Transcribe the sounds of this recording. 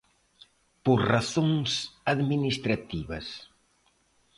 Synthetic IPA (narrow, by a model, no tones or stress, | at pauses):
poɾraθoŋsaðminist̪ɾat̪iβɐs